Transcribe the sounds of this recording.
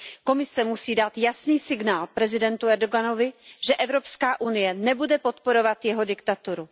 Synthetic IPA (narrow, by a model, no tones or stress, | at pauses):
ko̞mɪsɛmusiːdat̪jasniːsɪɡnaːlpɾɛzɪdɛnt̪uɛɾdoɡano̞vɪʒ̥ɛʔɛvɾo̞pskaːʔunɪjɛnɛbudɛpo̞t̪po̞ɾo̞vat̪jɛɦo̞dɪkt̪at̪uɾu